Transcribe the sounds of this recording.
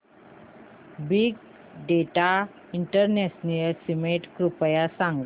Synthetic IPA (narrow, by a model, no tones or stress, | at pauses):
biɡ | ɖeʈa | iɳʈəɾnɛsniəlsimeʈkɾupəjasãŋɡ